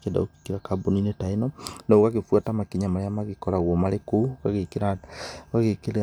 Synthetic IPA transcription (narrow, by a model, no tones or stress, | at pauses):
keda̰oki̥tiɾakaboninetainɔnaoɣaɣefwatamakiɲamaɾejamaɣekɔɾaɣwɔmaɾekoɣaɣekeɾaɣaɣekeɾe